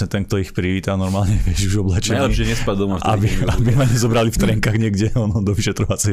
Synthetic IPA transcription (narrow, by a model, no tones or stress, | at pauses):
ɲɛt̪ɛnk̚t̪ɔixpɾiʋiːt̪anɔɾmaːlɲɛʋɪɛʃuʒɔblɛt͡ʃɛalɛʃɛɲɛspadd̪ɔmaft̪a̰biabimaɲɛzɔbɾalift̪ɾɛŋkaɣɲɪɛɡɟɛɔnɔd̪ɔʋiʃɛt̪ɾɔʋat͡sɛ